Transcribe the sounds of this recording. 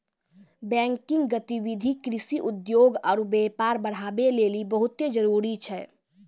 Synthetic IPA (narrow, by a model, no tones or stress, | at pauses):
bɛ̃ŋkɪ̃ŋɡɡət̪iʋid̪ʱikɾisiʔud̪joɡɔːɾbɛpaɾbəɽ̤abelelibəɦut̪ed͡ʒəɾuɾit͡ʃʰɛ